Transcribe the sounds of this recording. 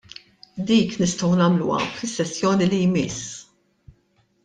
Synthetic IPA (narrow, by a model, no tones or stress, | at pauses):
d̪iːknɪst̪ɔwnɐːmlṵɐ̰fɪsːɛsːjɔːnilijmɪs